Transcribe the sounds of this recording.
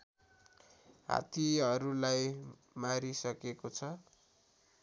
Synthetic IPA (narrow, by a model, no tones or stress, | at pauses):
ɦa̰t̪iʌɾulaj | maɾisʌkekot͡sʰʌ